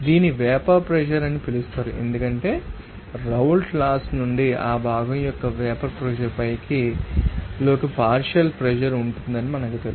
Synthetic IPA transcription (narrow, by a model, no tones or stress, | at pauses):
d̪iːniʋɛːpɐɾpɾɛʃɐɾɐnːipilust̪aːɾuʔe̞̰nd̪ukɐɳʈe̞ː | ɾɐwlklaːsnuɳɖiaːbʱaːɡɐmjɔkːɐʋɛːpɐɾpɾɛd͡ʒɐɾpɐjki | lo̞ːkɐpaːɾʂɐlpɾɛd͡ʒɐɾuɳʈund̪ɐnimɐnɐŋkut̪el̰